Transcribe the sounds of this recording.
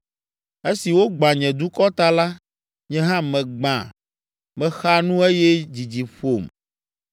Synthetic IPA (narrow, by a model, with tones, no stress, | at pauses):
e˦si˨wo˦ɡ͡bã˨ɲɛ̃˨d̪u˦kɔ˦t̪a˦la˦ | ɲɛ̃˦ɦã˦mɛ̃˨ɡ͡bã̰˨ | mɛ̃˦xa˦nũ˦e˦jɛ˦d͡ʑi˨d͡ʑi˨ɸo˦˨m